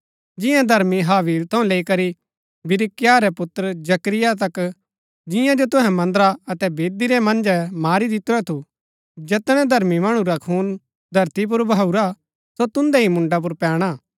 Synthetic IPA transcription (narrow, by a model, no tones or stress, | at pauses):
d͡ʒɪ̃jãd̪ʱɐɾmiɦaːʋiːlt̪ʰɐũleikɐɾi | bɪɾɪkɪjaːɾɛpʊt̪ːɾəd͡ʒɐkɾɪjat̪̬ɐk | d͡ʒɪjãd͡ʒot̪ʊ̃ɦɛ̃mɐ̃nd̪əɾaɐt̪ɛbeːd̪iɾɛmɐ̃nd͡ʒɛmaːɾid̪ɪt̪ːʊɾɛt̪ʰu | d͡ʒɛt̪ɽ̃ɛ̃d̪ʱɐɾmimaɽ̃ũɾakʰuːn | d̪ʱɐɾt̪ip̬ʊɾbʱauɾa | sot̪ʊ̃nd̪ɛɦimʊ̃ɳɖap̬ʊɾpɛːɽ̃aː